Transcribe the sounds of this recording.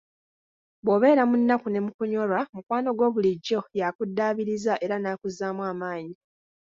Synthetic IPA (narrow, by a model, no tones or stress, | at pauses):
βo̞ːβe̞ːɾamunːakune̞mukuɲo̞ɾwamukwaːno̞ɡwo̞ːβuliɟːo̞jakudːaːβiɾizaʔe̞ɾanaːkuzaːmwaːmaːɲi